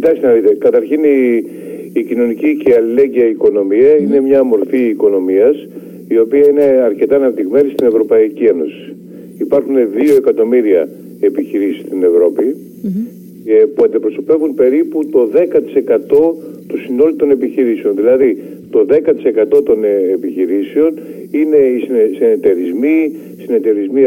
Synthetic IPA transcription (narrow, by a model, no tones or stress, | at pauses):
cit̪ɐksinɐðit̪e̞kɐt̪ɐɾçiniː | cino̞niciceɐlile̞ɲɟiɐiko̞no̞miɐine̞mɲɐmo̞ɾfiːko̞no̞miɐs | io̞piɐine̞ɐɾce̞t̪ɐːnɐpt̪iɣme̞nist̪ine̞vɾo̞pɐicie̞no̞si̥ː | pɐɾxune̞ðio̞e̞kɐt̪o̞miɾiɐ̰ | e̞piçiɾisi̥st̪ine̞vɾo̞pi | puɐnd̪ipɾo̞so̞pe̞vunpe̞ɾiput̪o̞ðe̞kɐt̪i̥se̞kɐt̪o̞t̪usino̞lut̪o̞ne̞piçiɾiseo̞nðilɐði | t̪o̞ðe̞kɐt̪i̥se̞kɐt̪o̞t̪o̞nepiçiɾiseo̞n | ine̞isisinet̪e̞ɾizmi | sine̞t̪e̞ɾizmi